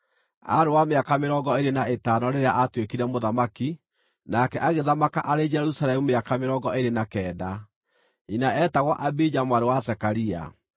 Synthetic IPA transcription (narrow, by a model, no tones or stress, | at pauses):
a̰ɾewameakameɾɔːɡɔeɾenaetanɔɾeɾeaʔatwekiɾɛmoðamaki | nakɛʔaɣeðamakaʔaɾed͡ʒɛɾusalɛmumeakameɾɔɡɔeɾenakɛːda | inaɛːtaɣwaʔabid͡ʒamwaɾewasɛkaɾia̰